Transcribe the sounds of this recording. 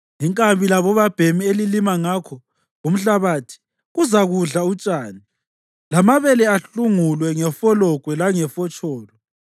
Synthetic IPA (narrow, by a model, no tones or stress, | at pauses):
ŋiŋkʼambʱilaβɔβab̥ʱemielilimaŋakʰɔ | ɣum̩ɬaβaːtʰi̥ | ɣuzaɣuɮaut͡ʃʼaːni | lamaβɛlɛaɬuŋulwɛŋɛfɔlɔkʼwɛlaŋɛfɔt͡ʃʼɔːlɔ